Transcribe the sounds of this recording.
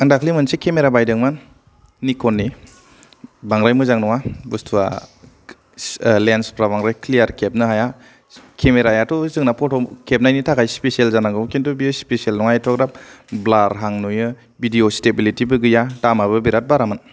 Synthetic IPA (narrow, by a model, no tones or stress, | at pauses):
ɯndakʰlimɯnsekemeɾabajdɯŋmanː | ikʰɔnːi | baŋɾajmɯzaŋnɔŋabustʰua̰ | lenspɾabaŋɾajklijaɾkʰep̚nɯɦaja | kʰemeɾajatɔzɯŋnapʰɔtʰɔkʰep̚najnitʰaɡajspesielzanaŋɡɯkintubiospesielnɔŋajtʰɔkɾap̚blaɾɦaŋnujɯ | bidiostebilitibɯɡɯjadamabɯbiɾat̚baɾaman